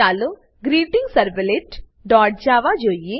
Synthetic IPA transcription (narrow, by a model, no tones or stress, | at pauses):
aːlo | ɡɾiːʈiŋɡsɐɾʋeleʈ | ɖɔːʈ̚d͡ʒaːʋad͡ʒoːije